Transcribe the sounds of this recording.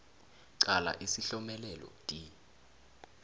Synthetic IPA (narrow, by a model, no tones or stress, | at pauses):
ǀala̰ʔisiɬɔmɛlɛlɔ̰tʼi